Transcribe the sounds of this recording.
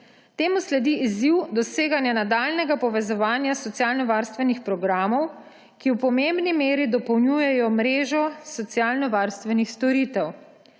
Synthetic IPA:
t̪eːmuslɛd̪iiziwd̪ɔseːɡanjanad̪aːlnɛɡapɔʋɛzɔʋaːnjasɔt̪sijaːlnɔʋaɾst̪ʋɛnixpɾɔɡɾaːmɔw | kiwpɔmembnimeːɾid̪ɔpɔwnjujɛjɔmɾeːʒɔsɔt̪sjaːlnɔʋaːɾst̪ʋɛnixst̪ɔɾit̪ɛw

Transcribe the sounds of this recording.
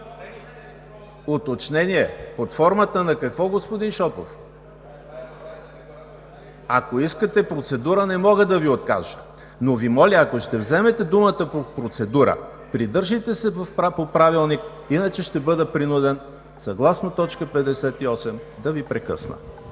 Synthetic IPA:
ot̪ot͡ʃnɛniɛpot̪fɔɾmət̪ənɐkɐkvɔɡospod̪inʃɔpo̰f | ɐkoiskət̪ɛpɾot̪sɛd̪uɾənɛmɔɡəd̪ɐviot̪ka̰ʒə̥ | novimɔlʲiɐkoʃt̪ɛvzɛmɛt̪ɛd̪umət̪əpopɾot̪sɛd̪uɾə̰ | pɾid̪ɤɾʒit̪ɛsɛvɐfpopɾavilˠnik | inɐt͡ʃɛʃt̪ɛbɤd̪əpɾinud̪ɛn | sɐɡlˠasnot̪ɔt͡ʃkəpɛd̪ɛsɛt̪iɔsɛmd̪ɐvipɾɛkɤ̰snə̰

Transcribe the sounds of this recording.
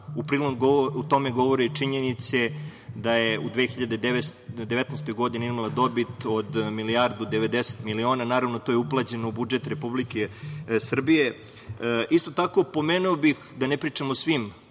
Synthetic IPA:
upɾiːloɡout̪o̞meɡo̞ʋoɾet͡ʂiɲenit̪se̞d̪ajeud̪ʋe̞ːxiʎad̪ed̪d̪eʋet̪nast̪o̞jɡo̞d̪ineizmalˠad̪o̞bit̪o̞d̪milijaɾd̪ud̪eʋe̞d̪ese̥t̪milio̞ːnanaːɾaʋnot̪ojeuplˠat͡ɕe̞noubud͡ʒet̪ɾe̞publikesr̩bije | ʔist̪o̞t̪ako̞po̞meːnuobixd̪anepɾiːt͡ʂamosʋim

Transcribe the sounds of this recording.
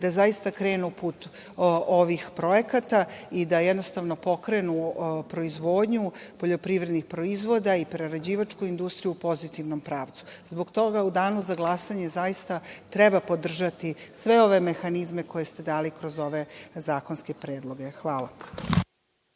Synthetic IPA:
d̪azaist̪akɾeːnupuːt̪ | o̞ʋixpɾo̞je̞kat̪aid̪ajɛd̪no̞st̪aʋno̞po̞kɾe̞nupɾo̞izʋo̞ːd̪ɲupo̞ʎo̞pɾiʋɾe̞d̪nixpɾo̞izʋo̞d̪aipɾeɾed͡ʑiːʋat͡ʃkuind̪ust̪ɾijupo̞zit̪iʋno̞mpɾaːʋt̪su̥zbo̞ɡt̪o̞ɡaud̪aːnuzaɡlˠasaɲe̞zajist̪at̪ɾɛbapo̞d̪r̩ʒat̪isʋe̞o̞ʋe̞mexanizme̞ko̞je̞st̪e̞d̪aːlikɾo̞zo̞ʋe̞zaːkonske̞pɾeːd̪lˠo̞ɡe̞xʋaːlˠa

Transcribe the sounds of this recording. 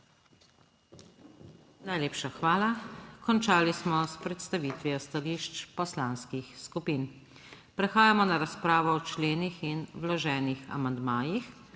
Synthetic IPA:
najleːpʃaxʋaːlakɔnt͡ʃaːlismɔspɾɛt̪st̪aʋiːt̪ʋiɔst̪aliʃt͡ʃpɔslanskixskupiːn | pɾɛxaːjamɔnaɾaspɾaːʋɔɔt͡ʃleːnixinwlɔʒɛːnixa̰mand̪maːjix

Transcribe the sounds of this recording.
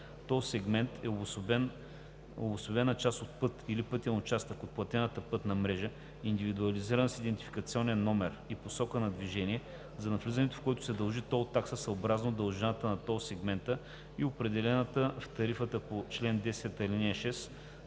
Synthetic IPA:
t̪ɔsɛɡmɛnt̪ʰɛobsbɛn | obʊsʊbɛnɐt͡ʃast̪ot̪̚pɤt̪ilipɤt̪ʲiənot͡ʃast̪əkot̪̚plˠɐt̪ɛnət̪əpɤt̪nɐmɾɛʒə | ind̪ivid̪uɐliziɾənsid̪ɛnt̪i̥fi̥kɐt̪siɔnɛnːɔmɛɾiposɔkənɐd̪viʒɛnʲiɛ | zɐnɐflizɐnɛt̪ʊ̥fkoɛt̪ʊ̥sɛd̪ɐlˠʒit̪ɔot̪ːaksəsɐobɾaznod̪ɐlˠʒɛnat̪ənɐt̪ɔsɛɡmɛnt̪ə | iopɾɛd̪ɛlɛnət̪əft̪ɐɾifət̪əpot͡ʃlɛnd̪ɛsɛt̪ɐlinʲɛʃɛs

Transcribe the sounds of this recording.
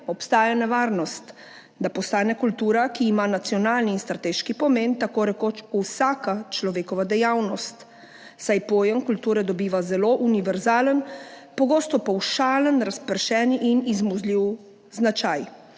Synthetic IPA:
ɔpst̪aːjanɛʋaːɾnɔst̪ | d̪apɔst̪aːnɛkult̪uːɾakiːmanat̪sijɔnaːlniːnst̪ɾat̪eːʃkipɔment̪akoːɾɛkoːt͡ʃuwsakat͡ʃlɔʋeːkɔʋad̪ɛjawnɔst̪ | sajpoːjəŋkult̪uːɾɛd̪ɔbiːʋazɛloʔuniʋɛɾzaːlənpɔɡoːst̪ɔpɔwʃaːlənɾaspəɾʃɛːniʔinizmuzliw | znat͡ʃaj

